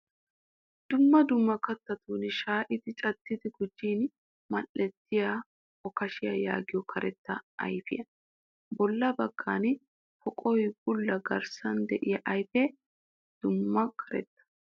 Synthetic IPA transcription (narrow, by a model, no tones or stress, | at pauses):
d̪̥ʊmːɐd̪ʊmːɐkɐt̪ːɐt̪uːnɪʃaːʔɪt̪ɪt͡ʃʼɐt̪ːɪd̪ɪɡʊd͡ʒːiːn | mɐlːɛt̪ːɪja | ɔkɐʃɪjɐja̰ːɡɪjɔkʰɐɾɛt̪ːɐɐ̰jfɪjɐ | bɔlːɐbɐɡ̥ːaːn | fɔkʼɔjbʊlːɐɡɐɾsɐnd̪ɛʔɪjɐʔɐjfeː | d̪̥ʊmːɐkʰɐɾɛ̰t̪ːɐ̥